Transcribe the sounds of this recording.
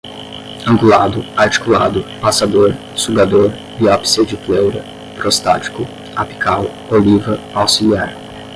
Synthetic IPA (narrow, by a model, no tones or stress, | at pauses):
ɐ̃ŋɡulad̪ʊaɾt͡ʃi̥kula̰d̪ʊpasad̪oɾ | suɡad̪oɾ | biɔpsid͡ʒɪflewɾɐ | pɾost̪at͡ʃi̥kʊ | api̥kʰaw | olivɐpawsiliaɾ